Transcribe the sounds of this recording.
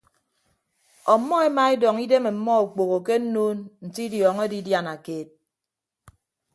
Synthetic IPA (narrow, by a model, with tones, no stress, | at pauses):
ɔ˨˦mːɔ˦e˦ma˦e˦dɔ˨ŋi˦de˦me˨m̩˨˦mɔ˦u˨k͡po˨ɣo˨ke˦n̩˦noː˦nn̩˨ti˦djɔː˨ŋe˦di˦dja˨na˨keː˦t̚